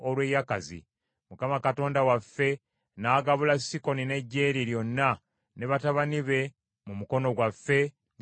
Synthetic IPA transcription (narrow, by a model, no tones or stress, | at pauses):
olwejakazḭ | mukamakato̞ːndawafːe̞ | naːɡaβulasiko̞nine̞ɟːe̞ːɾiɾjo̞nːa | neβataβaniβe̞ | mumuko̞no̞ɡwafːe̞ | n